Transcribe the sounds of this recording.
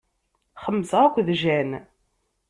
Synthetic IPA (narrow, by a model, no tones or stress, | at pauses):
χəmːəsəækʷːðʒæn